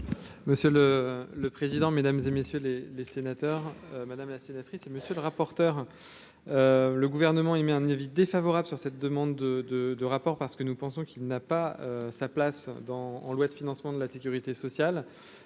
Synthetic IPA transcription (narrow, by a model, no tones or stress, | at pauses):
məsjølələpχezid̪ɑ̃med̪amzemesjølelesenat̪œʁmad̪amlasenat̪χiseməsjøləʁapɔʁt̪œːʁ | øləɡuvɛʁnəmɑ̃emɛɛ̃navid̪efavɔʁabləsyʁsɛt̪̚d̪əmɑ̃d̪ːəd̪əd̪əʁapɔʁpaʁsə̥kənupɑ̃sɔ̃kilnapaøsaplasd̪ɑ̰̃ːlwad̪əfinɑ̃smɑ̃d̪əlasekʲyʁit̪esɔsjal